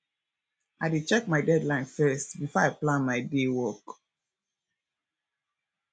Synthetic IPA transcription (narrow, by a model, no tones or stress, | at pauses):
ʔaɪdit͡ʃɛkmaɪdɛdlãɪ̃nfɛstbifɔaɪplãnmaɪdewɔk